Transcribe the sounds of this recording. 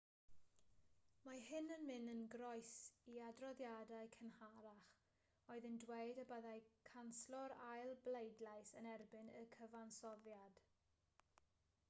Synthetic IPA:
mahɪnənmɪnənɡrɔɨsiadrɔðjadaɨkʰənhaɾaχ | oɨðəndweɨdəbəðajkʰanslɔɾajlˠblejdlˠajsənɛrbɪnəkʰəvansɔðjad̥

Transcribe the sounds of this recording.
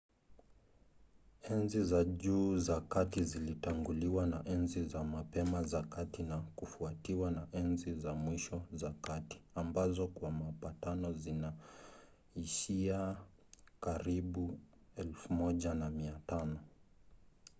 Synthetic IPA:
ɛnzizaʄuːzakatizilitaŋɡuliwanaʔɛnzizamapɛmazakatinakufuatiwanaʔɛnzizamwiʃɔzakati̥ambazɔkwamapatanɔzina | iʃia | kaɾiɓu | ɛlfumɔʄanamiatanɔ

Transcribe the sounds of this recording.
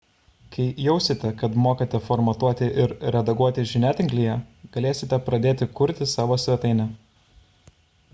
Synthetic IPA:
kʰɐɪjɛʊsʲɪt̪ʲɛkɐt̪moːkɐt̪ʲɛfɔɾmɐt̪uɔt̪ʲɪʔɪɾɾʲɛd̪ɐɡuɔt̪ʲɪʒʲɪnʲæːt̪ʲɪŋʲɡlʲɪjɛɡ̥ɐlʲeːsʲɪt̪ʲɛpɾɐd̪ʲeːt̪ʲɪkʊɾʲt̪ʲɪsɑːʋoːsʲʋʲɛt̪ɐɪnʲɛ

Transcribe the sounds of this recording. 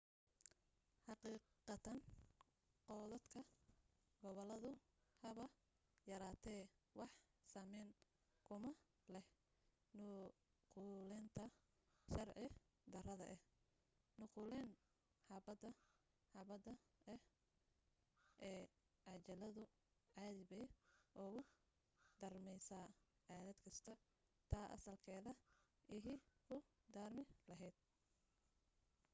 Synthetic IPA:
ħɑqiːqɑt̪ʰɐn | qɔːðɐd̪kʰɐ | ɡɔβɔlɐðʊhɐβɐ | jɐɾaːt̪ʰɛːwɑħsaːmɛːn | kʰʊmɐ | lɛh | nʊ | qulɛnt̪ʰɐ | ʃɐrʕɪ | d̪ɐrɐðɐ̰ʔɛh | nʊquːlɛn | ħɑbɐd̪ɐ | ħɑβɐd̪ɐɛh | ʔɛː | ʕɑt͡ʃɐlɐðʊ | ʕɑːðɪβɛːjʔɔːɣʊ | d̪̥ɐrmɛjsaːʕɑːðɐd̪kʰɐst̪ʰɐ | t̪ʰaːʔɐ̰sɐlkʰɛːðɐʔɪɦiːkʰʊd̪aːrmɪlɐɦɛjd̪̥̚

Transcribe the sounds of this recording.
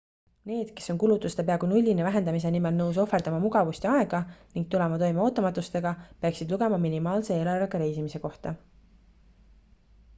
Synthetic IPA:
ne̞ːd̪̥ke̞so̞nkulut̪ːˑust̪e̞peɑɡunulʲːinevæɦe̞nd̪ɑmis̬e̞nimelnɤws̬o̞fe̞rd̪̥ɑmɑmuɡ̥ɑvusʲt̪ʲiɑe̞ɡ̥ɑniŋɡ̥̚t̪ulemɑt̪o̞jmeo̞ːt̪ːˑɑmɑt̪ːˑust̪e̞ɡ̥ɑpeɑksid̪luɡ̥e̞mɑminimɑːlse̞eːlɑrvɑɡ̥ɑɾe̞jsimise̞ko̞ht̪ɑ

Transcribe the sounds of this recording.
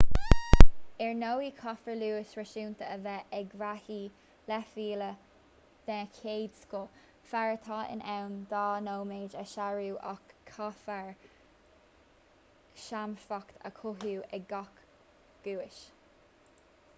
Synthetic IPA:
ɛɹnowiːkʰɔfəɹluːɪʃɹɛʃuːnt̪əəvɛʔɛɡɾahiː | lɛfiːlə | d̪̥ɛːkʰeːd̪sko | faɹət̪ʰɑːʔɪ̰nɛwnd̪ɑːnoːwmeːd͡ʒəʃaɹuːʔɔ̰kʰːɔfəɹ | ʃamfɔkt̪ʰə̰kʰʊɦjuːɛɡɔk | ɡ̥uːɪʃ

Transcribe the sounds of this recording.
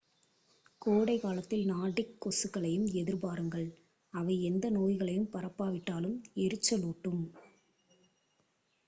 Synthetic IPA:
koːɽɐɪkaːlɐt̪ːɪlnaːɽɪkːɔsɯkːɐɭɐjɯmɛðɪɾpaːɾɯŋɡɐɭ | ɐʋɐɪɛnd̪ɐnoːjɣɐɭɐjɯmpɐɾɐpːaːʋɪʈːaːlɯmɛɾɯt͡ʃːɐloːʈːɯm

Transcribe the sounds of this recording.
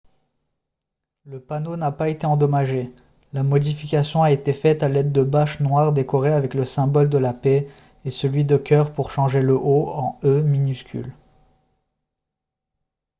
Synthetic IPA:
ləpanonapaet̪eɑ̃d̪ɔmaʒe | lamɔd̪ifikʲasjɔ̃aet̪efɛt̪alɛd̪ːəbaʃnwaʁd̪ekɔʁeavɛkləsɛ̃bɔld̪əlape | esəlɥid̪əkʲœʁpuʁʃɑ̃ʒeləʔoɑ̃øminyskʲʰy̰l

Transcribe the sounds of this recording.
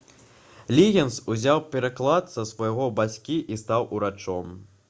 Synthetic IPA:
lʲiɣʲɐnsuzʲawpʲɛɾaklˠat̪sɐsvɐjaɣɔbat͡sʲkʲiʔist̪awʔuɾat͡ʂɔm

